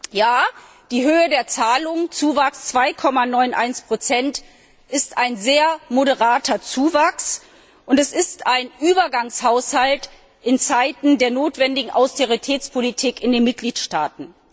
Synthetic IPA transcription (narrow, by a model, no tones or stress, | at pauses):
jaː | d̥iːɦøːədeːɐt͡saːlʊŋt͡suːvakst͡sv̥aɪkʰɔmanɔʏnʔa̰ɪnspʁ̥ot͡sɛnt | ʔɪstaɪnzeːɐmoɾəʁaːtʰɐt͡suːvaks | ʔʊntɛsɪstaɪnʔyːbɐɡaŋshaʊshalt | ʔɪnt͡saɪtn̩deːɐnoːtv̥ɛndɪɡŋ̩ʔaʊsteʁitʰɛːt͡spʰolitʰiːkɪndeːnmɪt̚ɡ̥liːtʃtaːtn̩